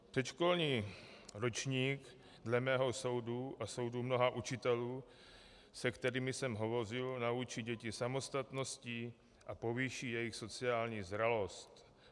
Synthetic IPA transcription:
pr̥ɛtʃko̞lɲiːɾot͡ʃɲiːk | dlɛmɛːɦo̞so̞wduʔaso̞wdumno̞ɦaʔut͡ʃɪt̪ɛluː | sɛkt̪ɛɾiːmɪsɛmɦo̞vo̞r̝ɪlnaut͡ʃiɟɛcɪsamo̞st̪at̪no̞sci | ʔapo̞viʃiːjɛjɪxso̞t͡sɪaːlɲiːzɾalo̞st̪

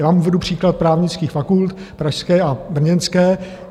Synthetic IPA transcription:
maːmuːvɛdupr̝̥iːklat̪̚pɾaːvɲɪt͡skiːxfakult̪pɾaʃskɛːʔabr̩ɲɛnskɛː

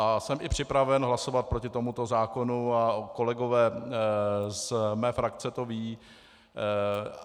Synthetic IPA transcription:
asɛmʔɪpr̝̥ɪpɾavɛnɦlaso̞vat̪̚pɾocɪt̪o̞mut̪o̞zaːko̞nuako̞lɛɡo̞vɛː | zmɛːfɾakt͡sɛt̪o̞viː

